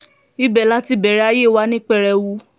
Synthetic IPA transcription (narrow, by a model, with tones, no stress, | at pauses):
i˦bɛ˨la˦ti˧bɛ˨ɾɛ˦a˦je˦˨wa˦nĩ˦k͡pɛ˦˧˨ɾɛ˧wu˦